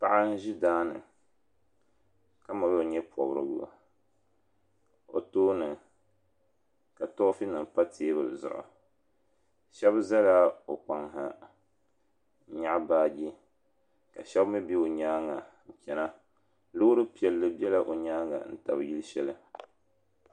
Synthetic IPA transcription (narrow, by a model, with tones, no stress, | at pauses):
pa˨ʔa˦n̩˦ʒi˦daː˦nɨ̰˨ | ka˦ma˨bɛ˦o˨ɲɛ˦pʰɔ˨bɾɨ̰˦ɡa̰˨ | o̰˨toː˦nɨ˨ | ka˨tɔ˦fi˦nɨ˨mpa˦tʰeː˦bɨ˨lzʊ̰˦ʔʊ̰˨ | ʃɛ˦bza˦la˦o˨k͡pa˨ŋɦa˨˦ | ɲa˦ʔbaː˦ɡi˦ | ka̰˨ʃɛ˦bmɨ˦bi˦o˨ɲaː˦ŋa˨ŋ̩˨kʲɛ˨na˦ | lo˦ɾɨ˦pi˨ɛ˨lːɨ˦bi˦ɛ˦la˦ʔo˨ɲaː˦ŋa̰˨n̩˨ta˨bji˦lɨ˦ʃɛ˦lɨ˦